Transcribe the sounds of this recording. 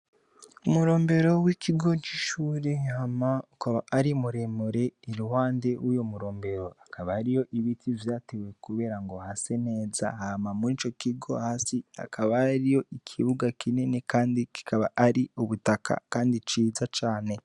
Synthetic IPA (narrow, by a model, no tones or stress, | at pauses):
umuɾoːmbe̞ɾo̞wikʰiɡo̞t͡ʃiʃuːɾehamaukaβaʔːɾimuɾemuɾe̞iɾuhaːnde̞wujomuɾoːmbe̞ɾo̞akʰaβaaɾijo̞ʔiβitivjaːtewe̞kuβe̞ːɾaŋɡohasene̞ːza̰haːmamuɾit͡ʃo̞kiɡo̞̰haːsia̰kʰaβaaɾijo̞ikʰiβuɡakʰininekaːndiki̥kaβa̰ʔaɾiuβutakʰa̰kaːndit͡ʃiːzat͡ʃaːne̞